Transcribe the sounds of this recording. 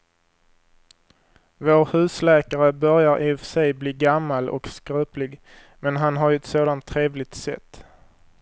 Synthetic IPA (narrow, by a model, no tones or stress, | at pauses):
voːɾhʉ̟ːslɛːkaɾəbœɾjaɾʔɪfsɛjbliːɡamːalʔɔ̰kskɾʉːplɪɡ | mɛnɦanɦaɾjɛt̪soːd̪ant̪ʰːɾeːvlɪɡ̚t̪sɛ̰t̪ː